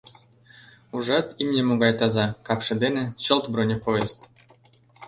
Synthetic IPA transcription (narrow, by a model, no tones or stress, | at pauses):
uʐɑt̪imnʲemoɡɑjt̪ɑzɑkɑpʂɘ̆d̪enĕɕɤ̆lˠt̪bronʲepojest̪